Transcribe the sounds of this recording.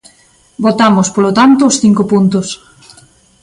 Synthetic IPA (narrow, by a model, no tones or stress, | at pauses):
bot̪amʊspolot̪ant̪ʊːsθiŋkopunt̪ʊs